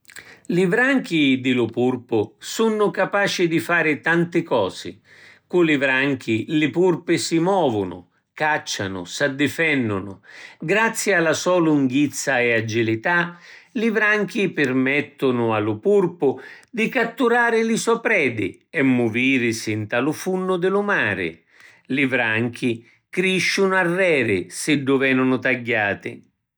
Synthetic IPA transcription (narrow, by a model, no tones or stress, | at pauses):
livɾaŋk̟id̪ɪlʊpurpʊsunːʊkapaːt͡ʃɪd̪ifaːɾɪt̪ant̪ɪkɔːzɪ̰ | kulɪvɾaŋk̟ilɪpurpɪsimɔːvʊnʊ̰ | kat͡ʃːanʊ̰sad̪ːɪfɛnːʊnʊ̰ɡɾat̪sːjɪalasɔːluŋɡit̪sːaɛad͡ʒilit̪alivɾaŋk̟ipɪrmɛt̪ːʊnʊalʊpurpʊd̪ikat̪ːuɾaːɾɪlɪsɔpɾɛːd̪ɪ̰ | ɛmːʊviːɾɪsɪnt̪alʊfunːʊd̪ɪlʊmaːɾɪ̰ | lɪvɾaŋk̟ʰi | kɾiʃːʊnʊarːɛːɾɪsɪɖːʊvɛːnʊnʊt̪aɟːaːt̪ɪ̰